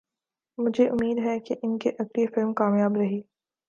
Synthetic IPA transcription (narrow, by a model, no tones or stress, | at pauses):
mʊd͡ʒʱeʔʊmːiːd̪ɦɛkeʔɪnkeʔɐɡlifɪlmkaːmjaːbɾɐɦiː